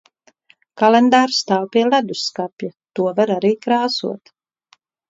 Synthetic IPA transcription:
kalend̪aːɾst̪aːwpʲiɛlæd̪usːkapʲjat̪uɔvaɾaɾiːkɾaːsṵɔt̪

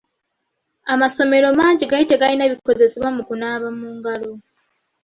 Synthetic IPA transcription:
amaso̞me̞ɾo̞maːɲɟiɡaiteɡalinaβikːo̞ze̞seβwamukunaːβamuːŋɡalo̞

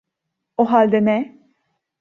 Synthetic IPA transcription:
oɦalʲd̪ɛnɛ

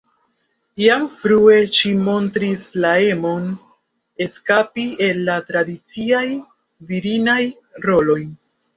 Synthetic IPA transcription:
iamfɾue̞ʃimo̞ntɾislae̞mo̞n | e̞skapie̞lːatɾadit͡siaj | viɾinaj | ɾo̞lo̞j

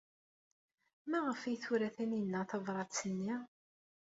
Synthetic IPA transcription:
mæʁəfijθuɾæθæninːæθɑvɾˤɑt̪t͡sːənːi

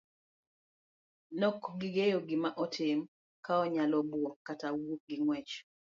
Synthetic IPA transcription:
nɔkɡɪɡejoɡɪmaʔɔtʰɪm | kaɔɲalɔbwɔkatawuɡɪŋwɛt͡ʃ

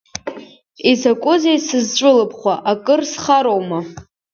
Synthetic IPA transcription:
izʰakʷʼʊzejsɨzt͡ʃʷʼʊlɨpʰʼχʷaʔakʼɨrsχaɾowma

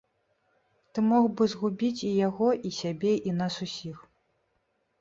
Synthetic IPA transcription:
t̪ɨmɔɣbɨzɣubʲit͡sʲijaɣɔʔisʲabʲɛʔinasusʲix

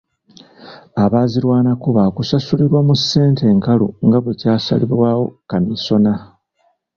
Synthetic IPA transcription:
aβaːziɾwaːnakuβakusasuliɾwamusːe̞ːnte̞ːŋkaluŋɡaβucaːsa̰liβwaːwo̞kamiso̞na

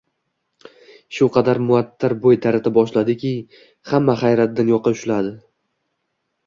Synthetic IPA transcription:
ʃʊqʰɑd̪aɾmʊat̪ʰːaɾbojt̪ʰaɾat̪ʰabɒʃlad̪ɪkʲɪ | hamːaχajɾat̪̚d̪anjɒqʰːɑʊʃlad̪ɪ

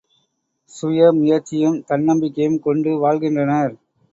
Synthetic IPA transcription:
sʊjɐmʊjɐɾt͡ʃːɪjɯmt̪ɐnːɐmbɪkːɐjɯmkɔɳɖɯʋaːɭɣɪndrɐnɐɾ

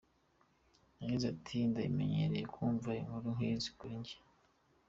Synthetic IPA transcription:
naɡizatʰindaime̞̰ɲḛɾe̞jekuːɱvaimuɾuŋiːzi̥kuɾiɲɟe̥

